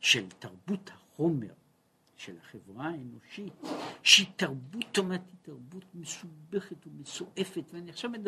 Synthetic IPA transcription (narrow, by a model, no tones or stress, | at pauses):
ʃeltaʁbuthaχomeʁ | ʃelhaχevʁaeno̞ʃit̪̚ʃit̪aʁbutːomat̪itaʁbut̪mesubeχet̪umesoʔefet̪veaniaχʃavmed̪